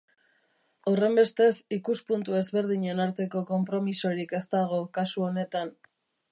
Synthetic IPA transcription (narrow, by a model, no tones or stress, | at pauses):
awre̞mbe̞st̪e̞sikuspunt̪ue̞zβe̞ɾðiɲe̞naɾt̪e̞ko̞ko̞mpɾo̞misoɾike̞st̪aɣ̞o̞kasuo̞ne̞t̪an